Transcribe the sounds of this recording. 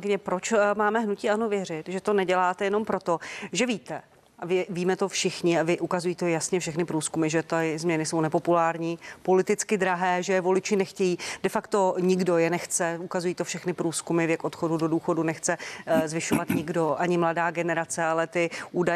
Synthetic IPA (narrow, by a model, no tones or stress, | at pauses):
kɪɲɛpɾot͡ʃmaːmɛɦnuciːʔanovjɛr̝ɪt̪ʒɛt̪o̞nɛɟɛlaːt̪ɛjɛno̞mpɾo̞t̪o̞ʒɛviːt̪ɛ | ʔavɪviːmɛt̪o̞fʃɪxɲɪavɪʔukazujiːt̪ojasɲɛfʃɛxnɪpɾuːskumɪʒɛt̪azmɲɛnɪso̞wnɛpo̞pulaːɾɲiːpo̞lɪt̪ɪt͡skɪd̪ɾaɦɛːʒɛjɛvo̞lɪt͡ʃɪnɛxcɛjiːdɛfakt̪o̞ɲɪɡdo̞jɛnɛxt͡sɛukazujiːt̪ofʃɛxnɪpɾuːskumɪvjɛkʔo̞t̪xo̞dudo̞duːxo̞dunɛxt͡sɛzvɪʃo̞vat̪ɲɪɡdo̞ʔaɲɪmladaːɡɛnɛɾat͡sɛalɛt̪ɪʔuːda